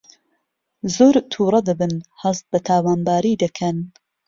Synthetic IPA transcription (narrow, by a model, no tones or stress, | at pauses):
zoːɾt̪ʰuːɾˤɑd̪ɨbɨnhɐzt̪̚bɛt̪ʰaːwaːnbaːɾiːd̪ɨkʰɛn